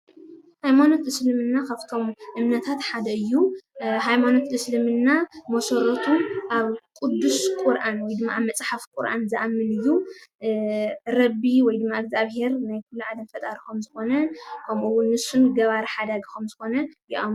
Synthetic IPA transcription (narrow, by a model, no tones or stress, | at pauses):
hajmano̞t̪ʔɨslɨmɨnːakʰaβt̪ʰo̞mʔɨmnɐt̪ʰat̪ħad̪ɐɨjːuɦajmano̞t̪ʔɨslɨmɨnːamɐsɐɾot̪ʰuʔaβkʼud̪ːuskʼuɾʔanwɔjd̪ɨmːaamːɐt͡sʼħafkʼuɾʔa̰nzɨʔamːɨnɨjːu | ɾɐbiwɔjd̪ɨmːaɨɡzaβhe̞ɾnajkʰulːuʕad̪ɐmfɐt̪ʼaɾɐxɐmzɨxo̞nɐkʰɐmuwunnːɨsːunɡɐβaɾħad̪aɡkɐmzɨxo̞nɐjiʔam